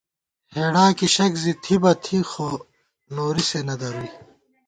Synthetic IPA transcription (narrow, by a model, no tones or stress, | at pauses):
heːɽaːkiɕɐkzit̪ʰibɐt̪ʰixo | noːɾisenɐd̪ɐɾuiː